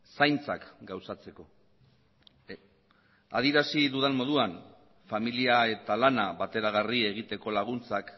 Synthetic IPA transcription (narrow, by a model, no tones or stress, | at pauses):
sajnt͡sakɡawsat͡se̞ko̞ | a̰ð̞iɾasiðuðenmo̞ðuan | familiae̞t̪alanaβat̪e̞ɾaɣ̞arie̞ɣ̞it̪e̞ko̞laɣ̞unt͡sak